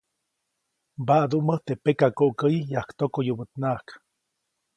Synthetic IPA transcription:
baʔd̪uʔməht̪epekakoʔkəjijahkt̪okojubət̪nahk

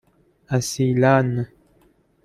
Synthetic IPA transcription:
asilanə

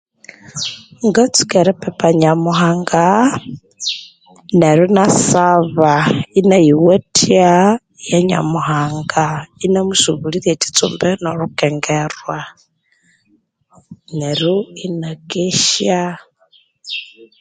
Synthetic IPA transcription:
ŋɡat͡su̥keɾipepaɲamuhaːŋɡa | neɾunasaβainajiwetʰia | jaɲa̰muhaːŋɡainamusuβuliɾjeti̥t͡sṵmbenoɾukeŋɡerwa | neɾuinakeʃja

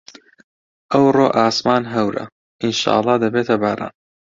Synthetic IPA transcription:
ʔɐwroːʔaːsmaːnɦɐwɾɐ̰ | ʔɪnʃa̰ːʔɑlˤːɑːd̪ɐbeːt̪ʰɐbaːɾʔa̰ːn

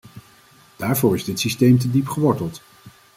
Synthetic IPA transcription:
d̥aːɹvʊːɹɪzdɪtsistejmt̬ədipχəʋɔɹtəlˠt

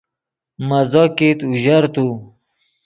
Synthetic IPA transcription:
mɐzɔkit̪uʑaɾt̪u

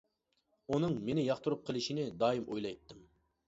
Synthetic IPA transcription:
unɨŋmenɪjɑχt̪uɾup̚qʰəlˠɪʃinɪd̪ɑːjimʔo̰jlˠɑjt̪ːɨm

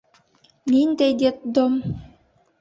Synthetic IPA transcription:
nint̪ɛjd̪it̪̚d̪ɔm

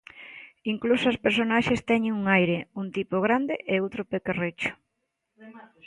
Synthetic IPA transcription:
iŋklusoaspeɾsonaʃest̪ɛɲeŋuŋajɾeunt̪ipoɣɾand̪eʔeowt̪ɾopekeret͡ʃʊ̥

